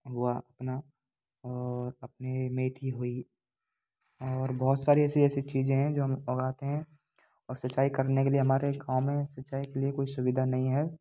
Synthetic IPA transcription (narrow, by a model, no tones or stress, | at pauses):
ɦʊaʔɐpna | ɔːɾɐpnemeːt̪ʰiɦoi | ɔːɾbɔɦːʊt̪saːɾiɛːsiɛːsit͡ʃiːzẽɦɛ̃d͡ʒoːɦɐmɔɡaːt̪eɦɛ̃ | ɔːɾsɐtːʃaːikɐɾnekelieɦɐmaːɾeɡãːʊmẽsɐtːʃaːikeliekoːisʊʋɪd̪ʱanɐɦĩɦɛː